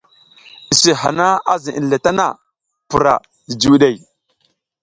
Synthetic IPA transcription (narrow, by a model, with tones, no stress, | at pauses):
i˨si˨ɦa̰˨na˦a˦zi˨ʔḭ˨n˨le˨ta˦na˦˨ | pu˨ɾa̰˨ | di˨d͡ʒi˨ɗe˨j